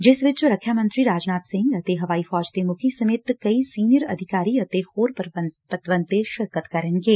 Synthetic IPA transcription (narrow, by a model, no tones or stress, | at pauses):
d͡ʒɪsʋɪt͡ʃɾɐkʰːjamə̃nt̪ɾiɾaːd͡ʒnaːt̪sɪ̃ŋɡɐt̪eɦɐʋaːifɔːd͡ʒt̪emʊkʰisɐmeːt̪kɐissiːnjəɾɐ̰d̪ʱɪkaːɾiɐt̪exoːɾpəəpət̪ʋə̃nt̪eʃɐɾkət̪kɐɾẽːnɡeː